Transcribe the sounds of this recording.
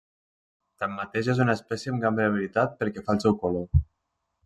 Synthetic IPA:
t̪amːat̪eʒezunəespɛsjeəmɡambɾeəβ̞ilit̪at̪̚pəɾkɛfalˠsɛwkolo

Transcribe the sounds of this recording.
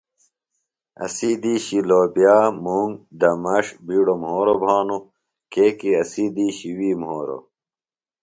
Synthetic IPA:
ɐ̰sid̪iːɕiloːbjaːmuŋd̪ɐmɐʂbiːɽomhoːɾobʱaːnu | keːkiɐsid̪iːɕiwiːmhoːɾo̰

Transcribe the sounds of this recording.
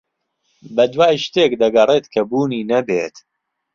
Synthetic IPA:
bɐd̪waːjʃt̪eːkd̪ɐɡɐreːt̪kʰɐbuːniːnɐbḛːt̪

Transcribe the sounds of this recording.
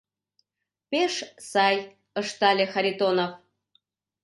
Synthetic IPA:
peʃsɑj | əʃt̪ɑlʲexɑɾʲit̪onof

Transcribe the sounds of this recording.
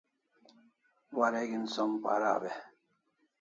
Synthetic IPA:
waɾeɡinsompa̰ɾa̰be

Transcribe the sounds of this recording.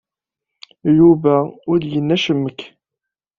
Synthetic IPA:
juvæʊɾd̪jənːæʃəmːəkː

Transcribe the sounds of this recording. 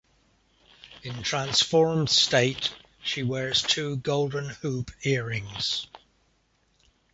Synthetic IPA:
ɪ̃ntʰɹ̥ãnsfɔɹmd̥steɪt | ʃiwɛːɹz̥tʰʉːɡoʊlˠdⁿn̩hʉˑpʰɪəɹɪ̃ŋz̥

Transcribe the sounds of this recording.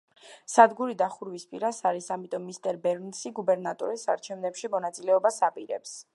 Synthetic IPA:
sad̪ɡuɾid̪aχuɾwispʼiɾasaɾisamit̪ʼɔmːist̪ʼɛɾbɛɾnsiɡubɛɾnat̪ʼɔ̰ɾisaɾt͡ʃʰɛvnɛpʃimɔnat̪sʼilɛɔbasapʼiɾɛ̰ps

